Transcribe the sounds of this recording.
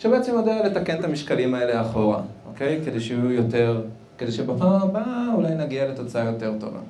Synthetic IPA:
ʃebeet͡semod̪aale̞t̪ake̞nt̪amiʃkalimae̞leaχo̞ʁaʔo̞̰ke̞jke̞d̪e̞jʃeujo̞te̞ʁ | kedeʃebapamabaulajnaɡiale̞t̪o̞t͡saajo̞t̪e̞ʁt̪o̞̰va̰

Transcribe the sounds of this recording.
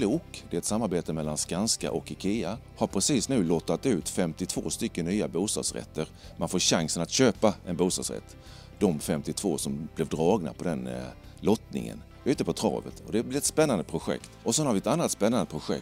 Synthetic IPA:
luːkd̪ɛɛt̪samːaɾbeːt̪əmɛlːanskanska̰ʔɔkɪkʰeːa | haɾpʰɾɛsiːsnʉ̟ːlɔt̪ːat̪ʉ̟ːt̪fɛmt̪ɪt̪ʰv̥o̰ːst̪ʏkːənːyːabuːst̪ɑ̰ːd̪sɾɛ̰t̪ːəɾmʔanfoːɾɕaŋsənat̪ɕøːpaɛnbuːst̪ɑ̰d̪sɾɛ̰t̪ː | d̪̥ɔmfɛmt̪ɪt̪ʰvo̰ːsɔmb̥lɛvd̪ɾɑːɡna̰pʰɔd̪ɛn | lɔt̪nɪ̰ŋə̰n | ʉ̟ːt̪əpʰɔt̪ʰɾɑ̰ːvə̰t̪ʰɔd̪ɛblɪɛt̪spɛnːand̪əpʰɾʊɧɛ̰kt̪ɔsɛnhaɾvɪɛt̪anːat̪spɛnːand̪əpʰɾʊɧɛ̰k

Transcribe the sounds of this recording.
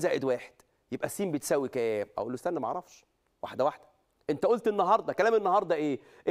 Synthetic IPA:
zæːʕed̪wæːħe̥d̪̥ | jebʔæsːiːmbet̪sæwːikææːmʔæ̰wʔlːost̪ænːæmæʔʕɾˤɑfʃ | wa̰ħd̪æwaħd̪æ | ʔent̪æʔolt̪enːɑɦɑɾˤd̪ˤɑkælæːmenːɑhɑɾˤd̪ˤɑʔeː | ʔe

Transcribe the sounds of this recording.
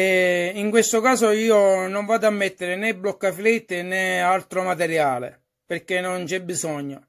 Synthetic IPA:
ɛiŋkwest̪okaːsoiːonoɱvaːd̪amːɛt̪ːɪɾɪnɛblɔkːaflit̪ːɪnɛalt̪ɾomat̪ɛɾjaːlḛ | perkenːont͡ʃɛbːisɔɲːo

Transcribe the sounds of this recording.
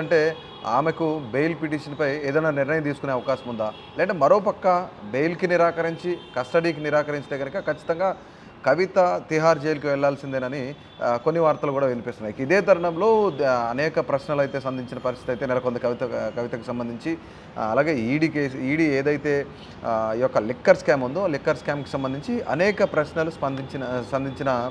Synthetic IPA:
ɐɳʈe̞ː | a̰ːmekube̞jlpiʈiːʂɐnpɐjeːd̪ɐjnːaːniɾnɐjɐmt̪iːsu̥kuneɐʋɐkaːʃɐmund̪aː | leːɐɳʈeːmɐɾo̞ːpɐkːɐbe̞jlkiniɾaːkɐɾiɲt͡ʃikɐsʈɐɽiːk̬iniɾaːkɐɾiɲt͡ʃt̪e̞ːɡɐnɐkɐkɐt͡ʃːi̥t̪ɐŋɡaː | kɐʋit̪ɐt̪iɦaːɾd͡ʒejulukiʋɛɭːaːlsind̪enɐni | konːiʋaːɾt̪ɐlukuːɽaːʋenipiːst̪unːaːikɐid̪e̞ːd̪ʱɐɾɐɳɐmlo̞ːɐnɛːkɐpɾɐʃnɐlɐjt̪e̞ːsɐnd̪iɲt͡ʃinɐpɐɾist̪i̥t̪ɐjt̪eːnɛlɐkond̪ɐkɐʋit̪ɐkɐʋit̪ɐku̥sɐmbɐnd̪ʱiɲt͡ʃi | ɐlaːɡe̞ːɽiːkeiːɽiːeːd̪ɐjt̪e̞ː | ijɔkːɐlikːɐɾskaːmund̪o̞ːlikːɐɾskaːmku̥sɐmbɐnd̪iɲt͡ʃiʔɐ̰nɛːkɐpɾɐʃnɐluspɐnd̪iɲt͡ʃsɐnd̪iɲt͡ʃinɐ

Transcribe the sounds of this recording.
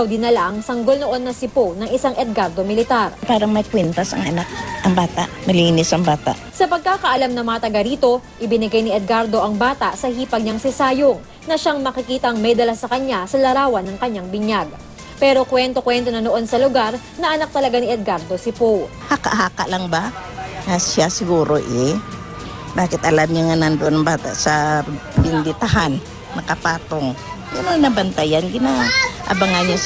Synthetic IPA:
ɐwd̪ɪnːɐlaʔɐŋsɐŋɡo̞lno̞ʔo̞nːɐsɪpownɐŋʔɪsaŋʔɛd̪̚ɡaɾd̪o̞mɪlɪt̪aɾpaːɾɐŋmɐjkwɛnt̪ɐsɐ̰ŋʔɐnak̚ʔɐŋbaːt̪a̰ʔmɐlinɪsɐŋbaːt̪a̰ʔsɐpɐɡ̚kaːkɐʔɐlamnɐmɐŋɐt̪ɐɡɐɾiːt̪o̞ʔɪbɪnɪɡajnɪɛd̪̚ɡaɾd̪o̞ʔɐŋbaːt̪ɐʔsɐhiːpɐɡ̚ɲaŋsɪsaːjoŋ | nɐʃaŋmɐkɪkiːt̪ɐʔŋmɛjd̪ɐlɐsɐkɐɲːasɐlɐɾaːwɐnɐŋkɐɲːaŋbɪɲaɡ̚ | pɛːɾokwɛnt̪o̞kwɛnt̪o̞nɐnoʔo̞nsɐlʊɡaɾ | nɐʔɐnak̚t̪ɐlɐɡaniʔɛd̪̚ɡaɾd̪o̞sɪpow | haka̰ʔɦaːka̰ʔlaŋbaŋɐʃasɪɡuːɾoʔɛ | baːkɪt̪̚ʔɐlamɲaŋɐnɐnd̪oʔonŋbaːt̪a̰ʔsɐ | bɪnd̪ɪt̪aɦanː | ɐkɐpaːt̪oŋjɪnoŋnɐbɐnt̪ajanɡɪnaʔɐ̰baŋano

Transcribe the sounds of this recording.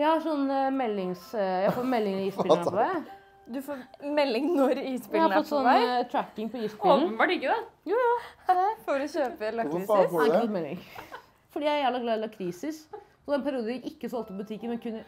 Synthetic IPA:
jæɪhɑʂɔnːmɛlːɪŋsjæfoːmɛlːɪŋiːsɪləpʰɔd̪ɛ | d̪ʉfoːmɛlːɪŋnɔɾiːspɪæhɑɾɔt̪ːsɔnt̪ʰɾækːɪŋpɔiːspɪloːnbɑʈɪkːəd̪ɛj | fɔɾɔɕøːpəlɑ | ɔt̪mɛlːɪ̰ŋ | fɔɖiːjææɾjæːləɡlɑːd̪ɪlɑkʰɾiːsɪs | ɔd̪ɛnpʰæɾɪuːd̪əɪkɪkːəsɔlt̪pɔbʉt̪ʰɪkːənmɛnkʰʉnːə

